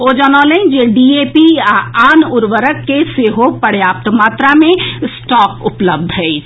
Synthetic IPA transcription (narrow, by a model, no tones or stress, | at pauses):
od͡ʒaːnaːlẽd͡ʒeɖiːeːpiaaːnʊɾʋəɾəkːeseːɦopəɽjaːp̚t̪maːt̪ɾamẽsʈɔːkʊpləb̚d̪ʱɦɛi